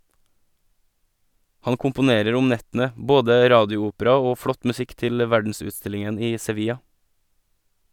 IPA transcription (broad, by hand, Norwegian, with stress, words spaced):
ˈhɑn kʊmpʊˈneːɾəɾ ˈʊm ˈnɛtn̩ə ˈboːdə ˈɾɑːdɪʊˌuːpəɾɑ ˈoː ˈfɽɔt mʉˈsɪk ˈtɪl ˈʋæɖn̩sʉːˌstɪlɪŋən ˈiː sɛˈʋiːjɑ